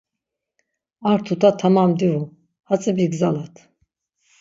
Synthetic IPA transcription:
aɾt̪ʰut̪ʰat̪ʰamamd̪iu | hat͡sʼɛbiɡzanat̪ʰ

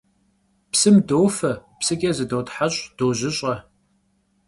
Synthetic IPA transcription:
psɨmdowfɐpsɨɡʲʼɐzɨdowtħaɕʼd̥oːʑɪɕʼɐ

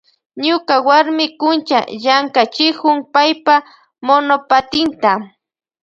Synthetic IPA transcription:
ɲʊkawaɾmɪkʊnt͡ʃa̰ʎaŋkat͡ʃɪkʊŋpajpa | monopat̪ɪnt̪a

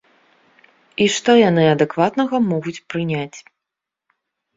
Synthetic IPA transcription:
iʂt̪ɔjanɨɐd̪ɛkvat̪nɐɣɐmɔɣut͡sʲpɾɨnʲat͡sʲ

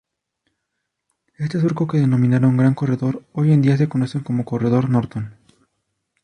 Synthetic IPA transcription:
est̪es̬uɾkoke̞ðe̞no̞mĩnaɾauŋɡɾaŋko̞re̞ðo̞ɾo̞je̞nd̪ias̬e̞ko̞no̞se̞ŋko̞mo̞ko̞re̞ðo̞ɾno̞ɾt̪on

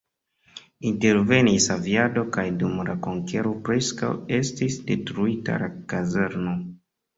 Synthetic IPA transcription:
inte̞ɾve̞nisaviado̞kajdumlako̞ŋke̞ɾopɾe̞ska̰we̞stisde̞tɾuita̰lakazeɾno

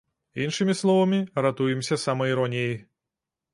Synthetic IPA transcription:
inʂɨmʲislˠɔvɐmʲiɾat̪ujɛmsʲɐsamɐiɾɔnʲijej

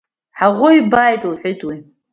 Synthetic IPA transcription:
ħaʁʷʊibajtʼlħʷɨtʼwi

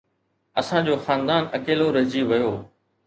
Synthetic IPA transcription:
ɐsãːd͡ʑoːxaːnd̪aːnɐkeːloɾɐd͡ʑiʋɐjoː

